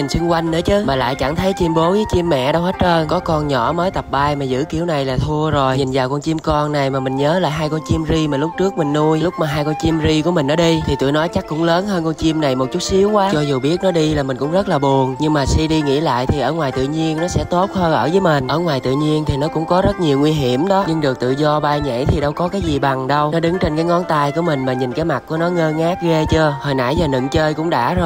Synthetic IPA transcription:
i˨˩ŋsʊ˧ŋkwa˧jŋ̟nə̰˧˦t͡ɕɨ˨˦maː˨˩la̰ː˧˨jt͡ɕa˧˩ŋt̪ʰə˨˦jt͡ɕi˧mɓo˨˦vəː˨˦jt͡ɕi˧mːɛ̰˧˨ɗa˧whə˦˥t̚ʔəː˧kɔ˨˦kɔ˧nɲɔ̰˧˩məː˨˦jt̪ə˨˩p̚ɓaː˧jmaː˨˩zɨ̰˧˥ki˧˩əwna˨˩jlaː˨˩t̪ʰu˧əzo˨˩jɲi˨˩nzaː˨˩wkɔ˧nt͡ɕi˧əmkɔ˧nna˨˩jmaː˨˩mï˨˩ŋ̟ɲəː˨˦la̰ː˧˨ɦaː˧jkɔ˧nt͡ɕi˧mzi˧maː˨˩lʊ˦˥k͡p̚t͡ɕɨ˦˥ək̚mï˨˩ŋnu˧əjlʊ˦˥k͡p̚maː˨˩ɦaː˧jkɔ˧nt͡ɕi˧mzi˧ku˧˩mi̟˨˩ʔəː˧˩˦ɗi˧t̪ʰi˨˩t̪ṵ˧˨jnɔ˨˦jt͡ɕa˦˥kkʊ̰˧˥ŋ͡mləː˨˦nɦəː˧nkɔ˧nt͡ɕi˧əmna˨˩jmo˨˩t̚t͡ɕʊ˦˥t̚si˨˦əwkwaː˨˦t͡ɕɔ˧zu˨˩ɓi˦˥ət̚nɔ˨˦ɗi˧laː˨˩mï˨˩ŋ̟kʊ̰˧˥ŋ͡mzə˦˥t̚laː˨˩ɓu˨˩ənɲɨ˧ŋmaː˨˩si˧ɗi˧ŋḭ˧˥la̰ː˧˨jt̪ʰi˨˩ʔəː˧˩ŋwaː˨˩jt̪ɨ̰˧˨ɲi˧ənnɔ˨˦sɛ̰˧˥t̪o˦˥t̚həː˧ʔə̰ː˧˩vəː˨˦jmï˨˩ŋ̟ʔəː˧˩ŋwaː˨˩jt̪ɨ̰˧˨ɲi˧ənt̪ʰi˨˩nɔ˨˦kʊ̰˧˥ŋ͡mkɔ˨˦zə˦˥t̚ɲi˨˩wŋwi˧ɦi˧˩əmɗɔ˨˦ɲɨ˧ŋɗɨ˨˩k̚t̪ɨ̰˧˨zɔ˧ɓaː˧jɲḛ˧˥jt̪ʰi˨˩ɗə˧wkɔ˨˦kaː˨˦jzi˨˩ɓa˨˩ŋɗə˧wnɔ˨˦ɗɨ˨˦ŋt͡ɕe˧nkaː˨˦jŋɔ˨˦nt̪aː˧jku˧˩əmï˨˩ŋ̟maː˨˩ɲi˨˩nkaː˨˦jma˨˩k̚kṵ˧˩ənɔ˨˦ŋəː˧ŋaː˦˥t̚ɣe˧t͡ɕəː˧həː˧˩jna̰ː˧˩jzaː˨˩nɨ̰˧˨ŋt͡ɕəː˧jkʊ̰˧˥ŋ͡mɗa̰ː˧˥zo˧˩

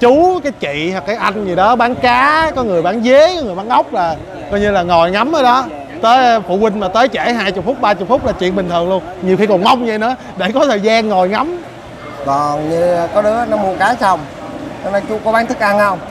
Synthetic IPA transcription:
t͡ɕu˨˦kaː˨˦jt͡ɕḭ˧˨hwkːaː˨˦jʔa˧jŋ̟zi˨˩ɗɔ˨˦ɓaː˨˦nkaː˨˦kɔ˨˦ŋɨ˨˩əjɓaː˨˦nze˨˦kɔ˨˦ŋɨ˨˩əjɓaː˨˦ŋʔə˦˥wk͡p̚laː˨˩ | kɔ˧jɲɨ˧laː˨˩ŋɔ˨˩jŋa˨˦mʔəː˨˦ɗɔ˨˦ | t̪əː˨˦jfṵ˧˨kwï˧ŋ̟maː˨˩t̪əː˨˦jt͡ɕɛ˧˩ɦaː˧jt͡ɕʊ˨˩k͡p̚fʊ˦˥k͡p̚ɓaː˧t͡ɕʊ˨˩k͡p̚fʊ˦˥k͡p̚laː˨˩t͡ɕḭ˧˨ənɓï˨˩t̪ʰɨ˨˩əŋlu˧ənɲi˨˩xi˧kɔ˨˩ma˧wŋ͡mɲa˧˩jnɨ̰˧˥˦ə˦ | ɗe˧˩kɔ˨˦t̪ʰəː˨˩jzaː˧nŋɔ˨˩jŋa˨˦m | kɔ˨˩nɲɨ˧kɔ˨˦ɗɨ˨˦ənɔ˨˦mu˧˩əkaː˨˦sa˧wŋ͡m | t͡ɕɔ˧ne˧t͡ɕʊ˨˦kɔ˨˦ɓaː˨˦nt̪ʰɨ˦˥k̚ʔa˧nhə˧wŋ͡m

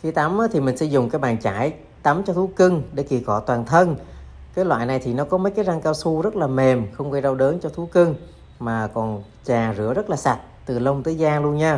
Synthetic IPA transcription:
xi˧t̪a˨˦mʔəː˨˦t̪ʰi˨˩mï˨˩ŋ̟sɛ̰˧˥zʊ̰˨˩ŋ͡mkaː˨˦jɓaː˨˩nt͡ɕaː˧˩j | t̪a˨˦mt͡ɕɔ˧t̪ʰu˨˦kɨ˧ŋɗe˧˩ki˨˩kɔ˧˩t̪waː˨˩nt̪ʰə˧n | kaː˨˦jlwa̰ː˧˨jna˨˩jt̪ʰi˨˩nɔ˨˦kɔ˨˦məː˨˦jkaː˨˦jza˧ŋkaː˧wsu˧zə˦˥t̚laː˨˩me˨˩mxə˧wŋ͡mɣə˧jza˧wɗə˨˦nt͡ɕɔ˧t̪ʰu˨˦kɨ˧ŋ | maː˨˩kɔ˨˩n | t͡ɕaː˨˩zɨ̰˧˩əzə˦˥t̚laː˨˩sa˨˩t̚t̪ɨ˨˩lə˧wŋ͡mt̪əː˨˦jzaː˧lu˧ənɲaː˧

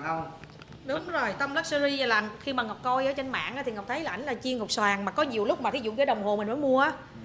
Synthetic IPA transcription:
ɗʊ˨˦ŋ͡mzo˨˩jt̪ə˧wŋ͡mlə˦˥t̚sə˧zi˧zaː˨˩la˨˩nxi˧maː˨˩ŋɔ˨˩wk͡p̚kɔ˧jʔəː˧˦t͡ɕe˧nma̰ː˧˨nʔaː˨˥t̪i˨ŋɔ˨˩k͡p̚t̪ʰə˨˦jla˨ʔjŋlaː˨˩t͡ɕi˧əŋɔ˨˩k͡p̚swaː˨˩ŋmaː˨˩kɔ˨˦ɲi˨˩əwlʊ˦˥k͡p̚maː˨t̪ʰi˨˦zṵ˧˨vəː˨˦ɗə˨˩wŋ͡mɦo˨˩mï˨˩ŋ̟məː˨˦jmu˧əʔaː˨˦

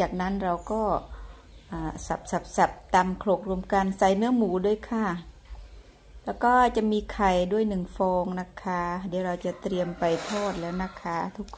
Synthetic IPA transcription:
t͡ɕaː˨˩k̚na˦˥˨nɾa˧wkɔː˥˩ | ʔaː˨˧˩sa˨˧˩p̚sa˨˧˦p̚sa˨˩p̚t̪aː˧mkʰlo˨˩k̚ɾu˧əmka˧nsa˧˩jnɯ˧˥əmuː˨˩˦du˧˩ə˨jkʰaː˧˩ | lɛː˦˥˩wkɔː˥˩t͡ɕa˧˩miː˧kʰa˨˩jdu˥˩əjnɯ˨˩ŋfɔː˧ŋna˧˥˩kʰːaː˧˩diː˧˦wɾa˧wt͡ɕa˨˧˨t̪ɾi˧əmpa˨˩jt̪ʰɔː˧˩t̪̚lɛː˦˥wna˧˥˨kʰːaː˧˩t̪ʰu˦˥kʰː

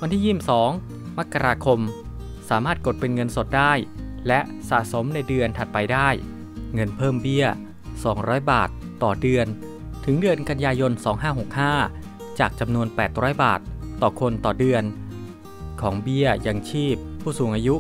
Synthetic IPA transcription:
wa˧nt̪ʰiː˥˩jiː˥˩msɔː˩˦ŋ | ma˦˥kːa˧ɾaː˧kʰo˧m | saː˩˦maː˥˩t̪̚ko˨˩t̪̚pe˧nŋɤ˧nso˨˩t̪̚daː˥˩jlɛ˦˥ʔsa̰˨˩ʔso˩˦mna˧jdɯ˧ənt̪ʰa˨˩t̪̚pa˧jdaː˥˩j | ŋɤ˧npʰɤː˥˩mbi˥˩ə | sɔː˩˦ŋɾɔː˦˥jbaː˨˩t̪ːɔː˨˩dɯ˧ən | t̪ʰɯ˩˦ŋdɯ˧ənka˧njaː˧jo˧nsɔː˩˦ŋɦaː˥˩ɦo˨˩k̚haː˥˩ | t͡ɕaː˨˩k̚t͡ɕa˧mnu˧ənpɛː˨˩t̪̚ɾɔː˦˥jbaː˨˩t̪ːɔː˨˩kʰo˧nt̪ɔː˨˩dɯ˧ən | kʰɔː˩˦ŋbi˥˩əja˧ŋt͡ɕʰiː˥˩pʰːuː˥˩suː˩˦ŋʔaː˧ju˦˥ʔ

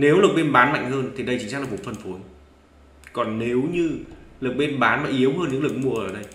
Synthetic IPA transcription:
ne˨˦wlɨ˨˩k̚ɓe˧nɓaː˨˦nma̰˧˨jŋ̟həː˧nt̪ʰi˨˩ɗə˧jt͡ɕi˧˩ŋ̟aː˧˥klaː˨˩ɓfə˧˩nfo˨˦n | kɔ˨˩nne˨˦wɲɨ˧lɨ˨˩ək̚ɓe˧nɓaː˨˦nma̰˧˨ŋʔi˨˦əwɦəː˧nɲɨ̰˧˥ŋlɨ˨˩ək̚mu˨˩əʔəː˧˩ɗə˧j

